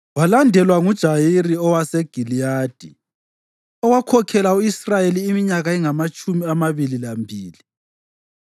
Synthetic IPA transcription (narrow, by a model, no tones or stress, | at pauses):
walandʱɛlwaŋud̥ʒ̥ʱajiriɔwasɛɡ̥ʱilijaːd̥ʱi | ɔwakʰɔkʰɛlauisrajeliːmiɲaɣaiŋamat͡ʃʼumiamaβililambʱiːli